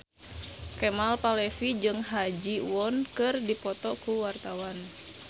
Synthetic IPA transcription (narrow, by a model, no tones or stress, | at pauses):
kɛmalpalɛfid͡ʒɨŋɦad͡ʒiwɔnkɨrdipɔt̪ɔkuwart̪awan